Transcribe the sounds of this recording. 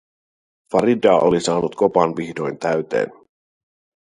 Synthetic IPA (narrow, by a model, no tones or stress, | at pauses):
fɑɾidɑʔolisɑːnut̪ko̞pɑnʋiçdo̞jnt̪æɥt̪ḛːn